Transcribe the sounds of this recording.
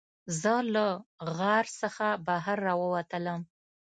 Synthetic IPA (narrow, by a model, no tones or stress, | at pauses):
zələɣɑɾsəxabaɦaɾːɑwəwat̪ələm